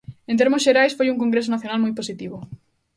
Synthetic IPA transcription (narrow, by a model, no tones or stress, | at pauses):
ent̪̬eɾmosʃeɾajsfojuŋkoŋɡɾesonaθjo̞nalmujposit̪iβo